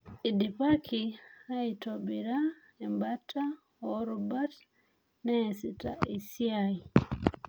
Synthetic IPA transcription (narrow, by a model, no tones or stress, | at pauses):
idipakʰiaitobiɾa | ɛmbatʰːa | oɾubat | nɛsita̰isiai